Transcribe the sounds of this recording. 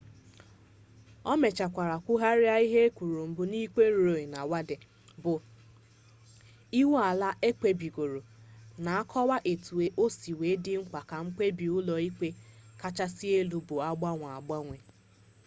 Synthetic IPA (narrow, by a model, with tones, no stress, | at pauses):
ɔ˦me˨t͡ʃa˨kʷa˨ɾa˨kʷʊ˦ɦa˦ɾja˦i˦ɦe˦kʷu˨ɾu˨m̩˨bʊ˦ni˦ke˦ɾo˨ɾo˨e˨na˨wa˦de˨ | bʊ˨ | i˦wa˨la˦ʔe˦k͡pe˦bi˨ɡo˨ɾo˨na˨a˦kʰɔ˦wa˦ʔe˨tu˨e˨ʔo˦si˨we˨˦dɪ˦ŋ͡m̩˦k͡pa˨ka˨ŋ͡m̩˦k͡pe˦bi˨ʊ˦lɔ˨i˦k͡pe˦ka˦t͡ʃa˦si˦e˦lu˨bʊ˨a˦ɡ͡ba˦ŋʷ˨a˨ɡ͡ba˦ŋʷe˨